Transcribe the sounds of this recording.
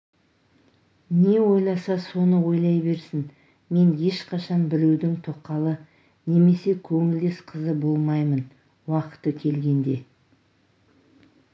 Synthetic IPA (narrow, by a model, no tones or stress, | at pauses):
ne̞wo̞jlˠɑsɑso̞nəwo̞jlˠɑjbe̞ɾsɪn | me̞nje̞ʃqɑʃɑnbɪɾewd̪ɪŋt̪ʰoqːɑlˠə | ne̞me̞se̞kʲʰɵŋɪld̪e̞sqʰəzəbo̞lˠmɑjmən | wɑqə̥t̪ːəkʲʰe̞lɡʲe̞nd̪e̞